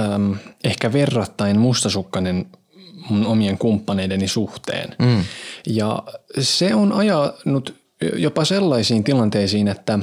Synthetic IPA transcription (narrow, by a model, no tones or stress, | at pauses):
mehkæʋerːɑt̪ːɑinmust̪ɑsukːɑnen | munomieŋkumpːɑneidenisuht̪ḛːn | jɑ̰seonɑjɑnut̪ | jopɑselːɑisiːnt̪ilɑnt̪eisiːnet̪ːæ